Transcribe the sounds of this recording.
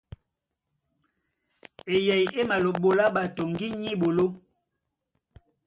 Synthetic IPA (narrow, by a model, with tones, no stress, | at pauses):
e˨jɛ˨je˦ma˨lo˨ɓo˨la˦ɓa˨to˨ŋɡi˦ɲi˦ɓo˨lo˦